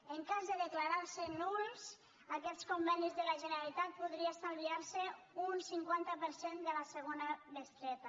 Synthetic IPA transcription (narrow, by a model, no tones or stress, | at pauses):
əŋkazðəðəklaɾaɾsənuls | akɛt̪skombɛnizðəlaʒənəɾalit̪at̪̚puðɾiasambiaɾsəunsiŋkwant̪əpəɾsend̪əlasəɣ̞onamest̪ɾɛt̪a